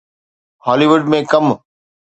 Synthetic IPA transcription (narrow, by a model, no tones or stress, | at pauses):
hɔːliːʋʊɖmẽkɐm